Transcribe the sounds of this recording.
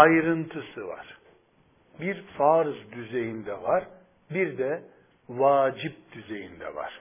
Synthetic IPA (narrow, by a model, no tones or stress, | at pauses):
ajɾɯnt̪ʰɯsɯva̰ɾ̥ | biɾfaɾɯzd̪yze̞jind̪ɛvaɾ | biɾd̪ɛ | vaːd͡ʒip̚d̪̥yzejind̪ɛ̰va̰ɾ̥